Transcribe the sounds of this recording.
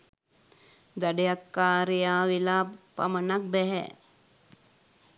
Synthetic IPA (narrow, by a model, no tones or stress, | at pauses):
d̪ɐɖejakːaːɾejaːʋilapa̰mənak̚bɛɦɛ̰